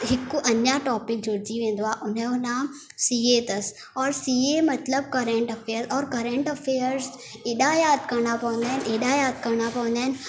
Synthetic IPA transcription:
ɦɪkʊʔɐɲjaʈɔːpɪk̚d͡ʑoɾd͡ʑiʋẽːnd̪oaːɦʔʊneʊnã | siet̪ɐs | ɔːɾsiːemɐt̪ləb̚kɐɾẽɳʈɐfeːəɾzɔːɾkɐɾẽɳʈɐfeːəɾz | eːɗaːjaːt̪ʰkɐɾɽ̃apɐʋə̃nd̪aːɦɪneːɗaːjaːd̪kɐɾɽ̃apɐʋə̃nd̪aːɦɪnɪ

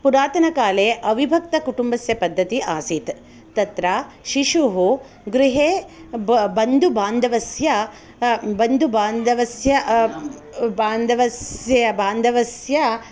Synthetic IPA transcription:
puɾaːt̪ɐnɐkaːleːʔɐʋibʱɐk̚t̪ɐkuʈumbɐsjɐpɐd̪ːɐt̪iʔaːsit̪ | t̪ɐt̪ɾa | ʃiʃuɦu | ɡɾiɦeː | bɐnd̪ubaːnd̪ʱɐʋɐsjɐ | bɐnd̪ubaːnd̪ʱɐʋɐsjɐ | baːnd̪ʱɐʋɐsjɐbaːnd̪ʱɐʋɐsjɐ

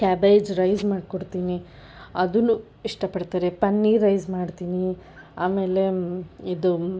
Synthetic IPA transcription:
kaːbeːd͡ʒɾɐjzmaːɖkoɽt̪iːni | ɐd̪unːu | iʂʈɐpɐɽt̪aːɾepɐnːiɾɐjzmaːɖt̪iːni | aːme̞ːle̞id̪u

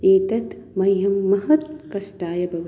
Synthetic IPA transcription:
eːt̪ɐt̪mɐjɦɐmːɐɦɐt̪kɐsʈaːjɐbʱɐʋ

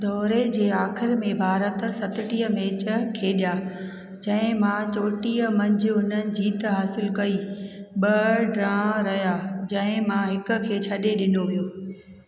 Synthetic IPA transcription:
d̪ɔːɾed͡ʑeːaːxɪɾmẽbʱaːɾət̪̆sɐt̪ɪʈiːəmeːt͡ɕə̆kʰeːɗijaː | d͡ʑɐ̃ɦɪ̃mãt͡ɕoːʈiːəmɐ̃ɲd͡ʑɪ̆ʊn̤ənɪ̆d͡ʑiːt̪ɦaːsɪlkɐiɓɐɖɾãːɾɐɦijaːd͡ʑɐ̃ɦɪ̃mãɦɪkʊ̆kʰeːt͡ɕʰɐɗeɗɪnoʋijoː

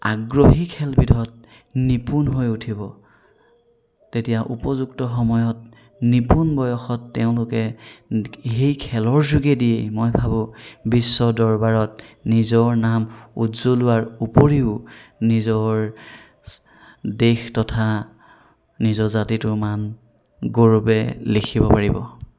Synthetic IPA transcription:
a̰ɡɹoɦikʰɛlbidʱɔt̚ | nipunɦojutʰibɔ | tetijaʔupɔzuktɔxɔmɔjɔt̚ | nipunbɔjɔxɔtːeʊ̃lʊkɛ | ɦejkʰɛlɔɹzuɡɛdijḛmojbʱabʊ̃bisːɔdɔɹbaɹɔt̚nizɔɹnamutz̥olʊwaɹupoɹiʊnizɔɹ | dextɔtʰa | nizɔzatitʊman | ɡoɹubɛlekʰibɔpaɹibɔ

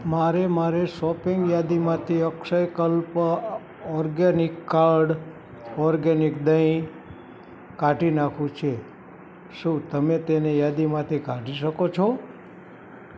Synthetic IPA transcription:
maɾemaɾesɔpiŋɡjad̪imãt̪ʰiəkʃəjkəlp | ɔɾɡenɪkːaɾɖ | ɔɾɡenikd̪əĩ | kaʈinakʰũt͡ʃʰe | ʃũt̪əmet̪enejad̪imãt̪ʰikaʈiʃəkot͡ʃʰo

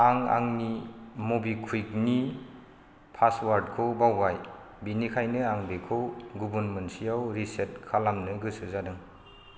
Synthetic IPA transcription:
aŋa̰ŋnimubikʰujkni | pʰaswaɾdkʰobawːaj | binikʰajnɯaŋbikʰowɡubɯnmɯnsijawɾiset̚kʰalamnɯɡɯsɯzadɯŋ

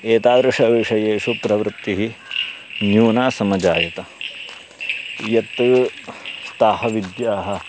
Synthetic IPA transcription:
eːt̪aːɡɾɨʂɐʋeːʂɐjeːʂupɾɐʋɾɨt̪ːiɦi | njuːnaːsɐmɐd͡ʒaːjɐt̪ɐ | jɐt̪ː | st̪aːɦɐʋid̪jaːɦɐ̆

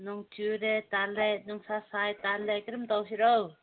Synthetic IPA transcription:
nɔŋt͡ʃuɾet̪alɛnuŋsasajt̪alekiɾɯmt̪awsiɾɔw

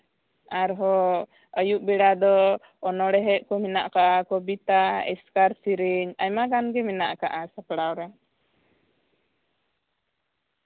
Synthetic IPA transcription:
aɾɦɔ | əjuʔbɛɽad̪ɔː | nɔɽɛɦɛʔ̚kɔmɛnaʔkaʔakɔbit̪aɛ̰skaɾsiɾiɲajmaɡanɡɛmɛnaʔkaʔasapɽawɾɛ

